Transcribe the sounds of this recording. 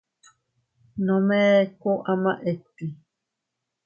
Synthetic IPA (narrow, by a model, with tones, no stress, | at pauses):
nɔ˨mɛː˦ko˦ʔa˦ma˦ʔe˨twi˨